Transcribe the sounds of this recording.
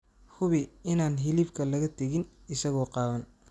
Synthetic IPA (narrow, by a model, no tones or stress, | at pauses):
hʊβɪɪnaːnɦɪliːbkʰɐlɐɣɐt̪ʰɛɣɪnɪsɐɣɔːqɑːðɐn